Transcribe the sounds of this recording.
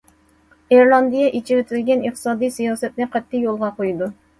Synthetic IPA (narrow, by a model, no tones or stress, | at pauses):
eɾlˠɑnd̪ijɛʔit͡ʃʰiwɪt̪ʰɪlɡʲɛnəχt̪ɨ̥sɑːd̪ijsijɑːsɛt̪̚nɪqʰɛt̪ʰːɪjolˠʁɑqʰojud̪u